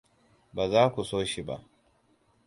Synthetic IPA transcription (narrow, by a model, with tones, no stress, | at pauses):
ba˨zaː˦kʷu˨soː˦ʃi˨ba̰˦ʔ